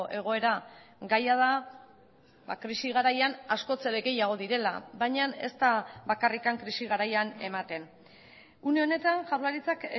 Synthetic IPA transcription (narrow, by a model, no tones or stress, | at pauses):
ʔe̞ɣ̞o̞e̞ɾaɡajað̞a | bakɾisiɣ̞aɾajanasko̞t͡se̞ɾeɣe̞jaɣ̞o̞ðiɾe̞labajɲane̞̰st̪aβakarikaŋkɾisiɣaɾajane̞mat̪e̞n | uneo̞ne̞t̪anʝawɾlaɾit͡sak